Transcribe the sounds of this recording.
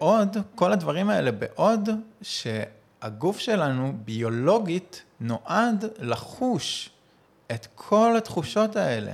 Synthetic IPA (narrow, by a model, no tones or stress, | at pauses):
ʔo̞dkoladvaʁimae̞lebḛʔo̞dʃe̞ | aɡufʃe̞lanubio̞lo̞ɡitnoʔadlaχuʃ | etkʰo̞lat̪χuʃo̞tae̞lḛ